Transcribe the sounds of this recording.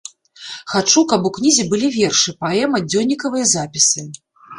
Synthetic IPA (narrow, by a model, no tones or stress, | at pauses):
xat͡ʂukɐpuknʲizʲibɨlʲivʲɛrʂɨpaɛmɐd͡zʲɔwnʲːikɐvɨjɐzapʲisɨ